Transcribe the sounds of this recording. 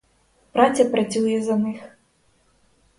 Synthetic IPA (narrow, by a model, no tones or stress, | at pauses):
pɾat͡sʲɐpɾɐt͡sʲujɛzɐnɨx